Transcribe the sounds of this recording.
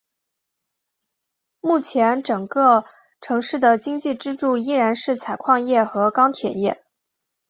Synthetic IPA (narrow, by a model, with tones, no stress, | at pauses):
mu˥˩t͡ɕʰjɛ˧˥nʈ͡ʂɤ˨˩ŋkɤ˥˧ | ʈ͡ʂʰɤ˧˥ŋʂɻ̩˥˩d̪ə˩t͡ɕi˥ŋt͡ɕi˥˩ʈ͡ʂɻ̩˥ʈ͡ʂu˥˩i˥ɻa˧˥nʂɻ̩˥˩t͡sʰa˨˩ɪkʰwɑ˥˧ŋjɛ˥˩xɤ˧˥kɑ˥ŋt̪ʰjɛ˨˩njɛ˥˩